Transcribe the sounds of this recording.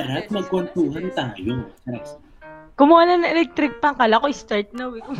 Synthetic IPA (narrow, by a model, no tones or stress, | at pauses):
ɾɐt̪̚mɐɡ̚kont̪uːɦɐnt̪aːjoŋɐɾɐ | kʊmʊaːlanɐʔɛlɛk̚t̪ɾɪk̚pɐŋkalɐkoʔɪst̪aɹt̪̚nɐwɛkʊ